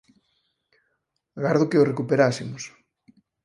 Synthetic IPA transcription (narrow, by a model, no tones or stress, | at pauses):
ɣaɾðokeorekupeɾasimos